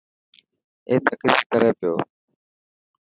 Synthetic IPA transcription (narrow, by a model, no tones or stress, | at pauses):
eːt̪əkɾiːɾkəɾeːpɪjoː